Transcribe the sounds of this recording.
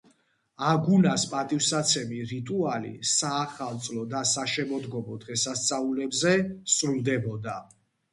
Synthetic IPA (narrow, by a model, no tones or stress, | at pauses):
aɡunaspʼat̪ʼifsat̪sʰɛmiɾit̪ʼualḭsaːχalˠt̪sʼlɔd̪asaʃɛmɔd̪ɡɔmɔd̪ʁɛsast̪sʼaulɛbzɛsɾuld̪ɛbɔd̪a